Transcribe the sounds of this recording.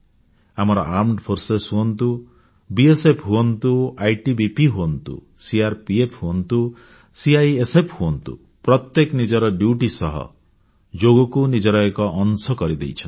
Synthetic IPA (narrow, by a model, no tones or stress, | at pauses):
amɔɾɔʔaɾmʈpʰoɾsesɦuɔnt̪u | biesepʰɦuɔnt̪uajʈibipiɦuɔnt̪ṵ | siaɾpiepʰhuɔnt̪u | siajesepʰhuɔnt̪ṵ | pɾɔt̪jeknid͡ʒɔɾɔɖjuʈisɔɦɔ̰ | d͡ʒoɡɔkunid͡ʒɔɾɔekɔʔːnsɔkɔɾid̪ḛjt͡ʃʰɔn